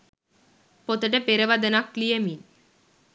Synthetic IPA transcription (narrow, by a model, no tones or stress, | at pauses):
pot̪əʈepeɾəʋad̪ənaklijemin